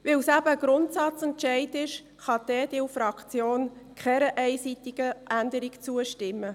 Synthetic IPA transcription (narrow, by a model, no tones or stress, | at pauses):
ʋɪlsæbəɡ̥ɾʊntsɑt͡sɛntʃɛɪtɪʃ | χɑd̥̪ɛːd̥ɪfɾɑkt͡sjoːnkχɛɾəʔɛɪsit̪ɪɡ̥əʔændəɾikt͡suəʃtɪmːə